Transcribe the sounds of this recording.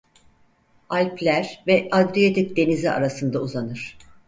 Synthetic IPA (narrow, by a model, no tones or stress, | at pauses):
alʲplʲæɾvɛʔad̪ɾijot̪ʰik̚d̪e̞nizia̰ɾasɯnd̪auzanɯɾ̝̥